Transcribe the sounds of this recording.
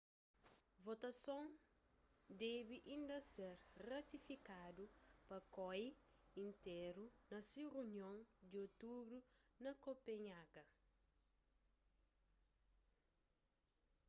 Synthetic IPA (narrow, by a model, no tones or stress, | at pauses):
vot̪ɐsõŋ | d̪ɛbiʔĩnd̪ɐseɾrɐt̪ifikadupɐkɔj | ĩnt̪eɾunɐsiruɲjõŋd̪iot̪ubɾunɐkopeɲaɡɐ